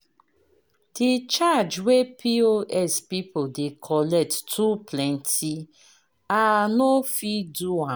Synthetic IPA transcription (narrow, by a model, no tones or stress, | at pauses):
d̥it͡ʃad͡ʒwepʰioʔɛspipodekʰɔlɛk̚ttʰuplɛ̃ntʰi | anofiduwã